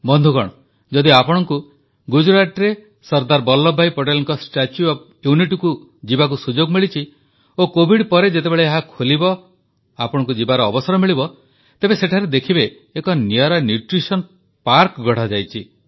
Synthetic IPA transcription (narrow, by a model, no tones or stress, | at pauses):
bɔnd̪ʱuɡɔɽ̃ɔ | d͡ʒɔd̪iapɔɽ̃ɔŋku | ɡud͡ʒɾaʈɾe | sɔɾd̪aɾbɔlːɔbʱːajpoʈelɔŋkɔsʈat͡ʃjuɔb̚ | juniʈku | d͡ʒibak̬usud͡ʒoɡmiɭit͡ʃʰi | okobʱiɽpɔɾed͡ʒet̪ebeɭeːɦakʰolibɔ | apɔɽ̃ɔŋk̬ud͡ʒibaɾɔːbɔsɔɾɔmiɭibɔ | t̪ebeseʈʰaɾed̪ekʰibeː | kɔniɔɾanjuʈɾisɔn | paɾkɡʱɔɽ̤ad͡ʒajt͡ʃʰi